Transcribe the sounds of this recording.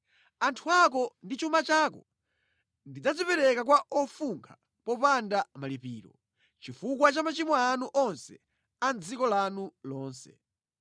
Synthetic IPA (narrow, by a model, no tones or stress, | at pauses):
antʰuak̬ɔndit͡ʃumat͡ʃakɔ | ndid͡zad͡zipɛɾɛkakwaʔɔfuŋkʰa | pɔpandamalipiːɾɔ̰ | t͡ʃifukwat͡ʃamat͡ʃimɔanuʔɔnsɛ | and͡zikɔlanulɔːnsɛ